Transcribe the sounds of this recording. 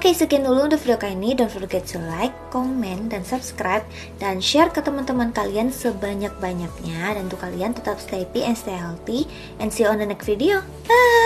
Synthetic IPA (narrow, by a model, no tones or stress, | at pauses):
okesəkɛndulʊŋdɔfidiokainidɔnfɔrɡɛt̪̚səlajkːɔmɛndansupskɾajp̚ | danʃɛrkət̪əmant̪əmankaliansəbaɲak̚baɲak̚ɲadant̪ukaliant̪ət̪apst̪epiʔɛnst̪eɛlt̪i | ʔɛnsiɔndənɛkfideo | ə